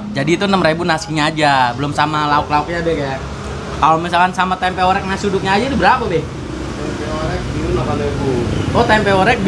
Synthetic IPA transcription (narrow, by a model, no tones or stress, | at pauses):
d͡ʒadiːt̪unəmɾebunasiɲaːd͡ʒabəlʊmsamalaʊk̚laʊk̚ɲabɛhkaja | kalomisalkansamat̪ɛmpɛoɾɛk̚nasudʊk̚ɲaːd͡ʒat̪ubəɾapabɪh | t̪ɛmpɛoɾɛk̚diulakanebuɔt̪ɛmpɛoɾɛk̚